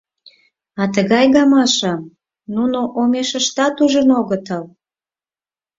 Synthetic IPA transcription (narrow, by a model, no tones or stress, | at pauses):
ɑt̪əɣɑjɣɑmɑʃɑm | nunoʔomeʃə̆ʃt̪ɑt̪uʒə̆noɣət̪əl